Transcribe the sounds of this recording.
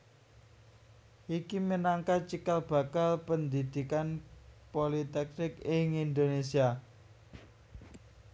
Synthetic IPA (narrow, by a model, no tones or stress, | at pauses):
ʔikimənaŋkat͡ʃikalb̥ä̤kalpənd̪id̪̥i̤kanpolit̪ɛk̚nɪkɪŋind̪onesia